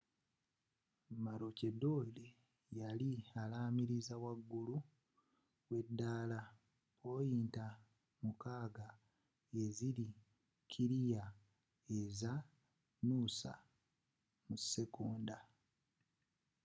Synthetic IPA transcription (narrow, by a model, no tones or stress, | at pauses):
maɾocedo̞le | jalialaːmiɾizawaɡːulu | we̞dːaːla | o̞jiːnta | mukaːɡa | e̞ziɾi | cʰiɾija | eza | nuːsa̰ | muse̞kuːnda